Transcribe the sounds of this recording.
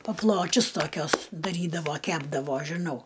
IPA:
pɐˈplˠoːt͡ʃʲʊs toːˈkʲuɔs dɐˈrʲiːdɐʋoː ˈkʲæːbdɐʋoː ʒʲɪˈnɐʊ

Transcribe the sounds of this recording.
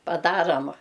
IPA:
pɐˈdɑːrɐm

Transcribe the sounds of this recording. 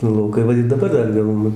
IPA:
nʊ lˠɐʊˈkɐɪ ˈʋɐ ɪr dɐˈbɐr ˈdɐr ˈjɛʊ ˈnʊ

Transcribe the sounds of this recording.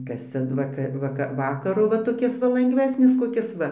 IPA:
ˈkɐs ˈt͡sʲɛ ˈʋɑːkɐ ʋɐkɐ ˈʋɑːkɐrʊ ʋɐ toːˈkʲɪs ʋɐ lˠɐŋɡˈʋʲæːsʲnʲɪs koːˈkʲɪs ˈʋɐ

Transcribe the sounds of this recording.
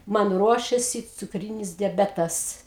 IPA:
ˈmɐn ˈruɔʃʲeːsʲɪ t͡sʊkˈrʲiːnʲɪs dʲɛˈbʲæːtɐs

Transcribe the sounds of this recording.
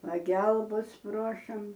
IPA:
pɐˈɡʲɛlˠbɐs ˈproːʃɐm

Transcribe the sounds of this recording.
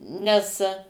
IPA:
nʲɛs

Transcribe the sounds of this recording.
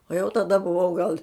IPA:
oː jɛʊ tɐˈdɐ bʊˈʋɐʊ ɡɐlˠ

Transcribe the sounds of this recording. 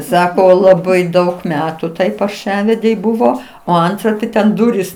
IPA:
ˈsɑːkoː lˠɐˈbɐɪ ˈdɐʊk ˈmʲæːtʊ ˈtɐɪ pɐrˈʃɑːʋʲɛdʲɛɪ ˈbʊʋoː oː ˈɐntrɐ tʲɪ tʲɛn ˈdʊrʲiːs

